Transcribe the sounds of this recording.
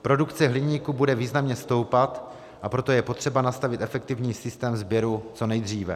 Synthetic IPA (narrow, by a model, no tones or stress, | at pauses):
pɾo̞dukt͡sɛɦlɪɲiːkubudɛviːznamɲɛst̪o̞wpat̪ | ʔapɾo̞t̪o̞jɛpo̞t̪r̝̥ɛbanast̪avɪt̪ʔɛfɛk̚t̪ɪvɲiːsɪst̪ɛːmzbjɛɾut͡so̞nɛjd̪r̝iːvɛ̰